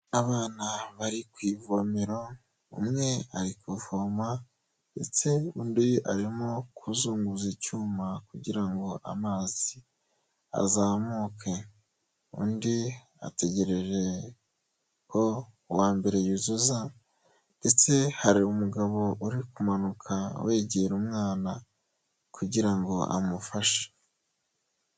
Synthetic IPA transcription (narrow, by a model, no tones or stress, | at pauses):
aβaːnaβaɾikwiːvomeɾo | ṵmŋe̞a̰ɾikwufoma | nde̞t͡se̞undia̰ɾimokʰuzuːŋɡuzicuːmakuɟiɾaŋɡo̞ʔa̰maːz̥i | a̰zaːmukʰe | ṵndi | a̰te̞ɟe̞ɾe̞ʒe̞ | kʰo | waːmbe̞ɾe̞juzuza | nde̞t͡se̞haɾiumuɡaβo̞uɾikumanukʰawʔe̞ːɟeɾumŋaːna | kuɟiɾaŋɡo̞ʔa̰mufaʃe̥